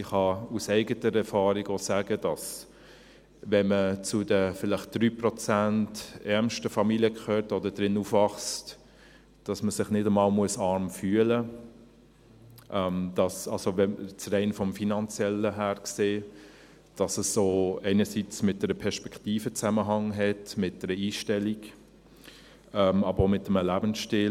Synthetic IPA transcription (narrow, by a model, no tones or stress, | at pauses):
ɪχɑusɛɪɡətəɾɛɾfɑːɾɪɡosæːɡəd̥ɑs | vɛnmət͡sʊdəfɪlɪχt̚d̥ɾyːprɔt͡sæntɛɾmʃtəfɑmiliəkʰχøːɾtɔdəd̥ɾɪnufvɑχst | d̥ɑsməsɪχnɪdəmɑːlmuəsɑɾmfyːələ | ʔɛmd̥ɑsɑlsovɛt͡srɛɪnfɔmfinɑnt͡sjɛləɦæːɾkseː | d̥ɑsəsːoːɛɪnəsit͡smɪt̚d̥əɾəpʰɛɾʃpɛkʰtiːfət͡sæməɦɑŋɦɛtmɪt̚d̥ɛɾəiːʃtɛlik | ɛmɑbəɾomɪtəməlæːbənsʃtɪ